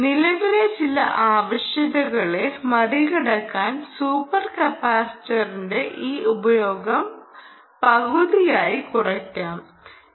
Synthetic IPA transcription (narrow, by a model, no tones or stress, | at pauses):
nilɐʋilet͡ɕilɐʔaːʋɐɕjɐðɐɣɐɭe̞mɐriɣɐɽɐkːaːnsuːpːɐrkɐpaːstɐrinde̞ʔiːʔubɐjo̞ːɡɐm | pɐɣuðijaːjikurɐkʲːaːm